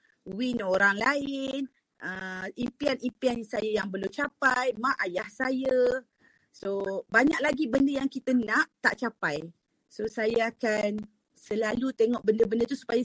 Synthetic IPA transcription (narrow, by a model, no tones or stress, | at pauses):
winoɾaŋlaɪn | ʔəimpianimpiansajajaŋbəlumt͡ʃapajmãʔajahsajə | sobaɲak̚laɡibəndəjaŋkit̪ənãʔt̪a̰ʔt͡ʃapaj | sosajaakan | səlalut̪eŋɔʔbəndəbəndət̪usu̥paja